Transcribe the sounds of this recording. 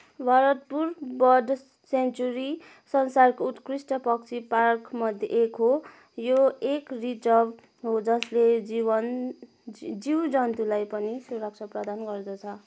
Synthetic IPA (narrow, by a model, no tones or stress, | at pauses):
bʱaɾʌt̪̚purbʌɖ | sent͡suɾi | sʌnsarkout̪krisʈʌpʌkt͡sʰiparkʰmʌd̪ʱjḛʔekɦo | joekrid͡zʌb | ɦod͡zʌsled͡zibʌn | d͡ziwd͡zʌnt̪ulajpʌnisurʌk̚t͡sʰʌprʌd̪anɡʌrd̪ʌt͡sʰʌ